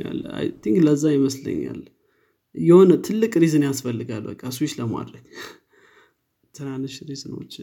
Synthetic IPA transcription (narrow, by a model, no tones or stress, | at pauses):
a̰lːa̰jt̪ʰiŋkləzːajɪməslə̰ɲːa̰l | jɛho̞nət̪ʰɨlːɨkʼɾizɨnjasfəlːɨɡalbə̰kʼːaswiʃləma̰d̪ɾəɲ | t̪ʰɨnanɨʃɾizɨno̰t͡ʃː